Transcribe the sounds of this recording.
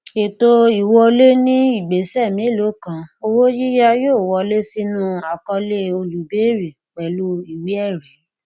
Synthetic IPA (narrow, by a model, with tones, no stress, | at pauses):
e˨to˧i˨wɔ˧le˦nĩ˦i˦˨ɡ͡be˨sɛ˦˨mĩ˨˦lo˨˦kã˧˦o˧wo˦ji˦ja˦joː˦˨wɔ˧le˦si˧nũ˦a˨kɔ˧le˦o˧lu˨be˨˦ɾi˨ | k͡pɛ˨lu˧˦i˨wi˨˦ɛ˦˨ɾɛ˨˦